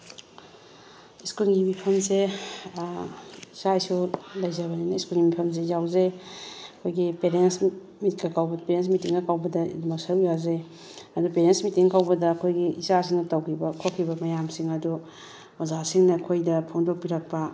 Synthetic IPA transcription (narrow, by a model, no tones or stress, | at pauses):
iskulɡimipʰɐmse | isajsulɐjzɐɾbɐninɐiskulɡimipʰɐms̬ejawzeɐkʰojɡipeɾens | mit̚ɡɐkʰawbɐdpeɾens̬mitiŋnɐkawbɐdɐḭdumɐk̚sɐɾujaze | ɐdupeɾensmitiŋkawbɐdɐːkʰojɡiːsasiŋnɐtɐwkʰibɐkʰokʰːibɐmɐjamsiŋɐdu | ozasiŋnɐɐkʰojdɐpʰoŋdok̚piɾɐk̚pɐ